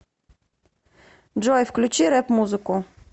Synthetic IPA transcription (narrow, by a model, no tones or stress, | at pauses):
d͡ʐɔjfklʲut͡ɕiɾɛpmuzɨku